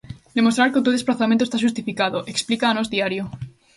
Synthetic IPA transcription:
d̪e̞mo̞st̪ɾaɾkeut̪uðe̞splaθamẽnt̪ost̪aʃ̬ust̪ifikaðoʔe̞ksplikaːnozðiaɾjo

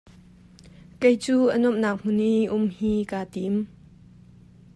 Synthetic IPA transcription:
kejt͡suːʔənɔmnaːk̚m̥ʊnːiʔʔʊmhiːkaːt̪im

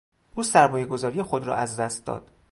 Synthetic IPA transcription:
ʔuːsæɾmɒːjeɡo̞zɒːɾijexod̪ɾɒ̰ːʔæzd̪æst̪̚d̪ɒ̰ːd̪̥

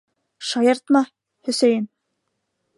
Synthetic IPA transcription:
ʃɑjɤɾt̪mɑ | hɵ̆sæjɘn

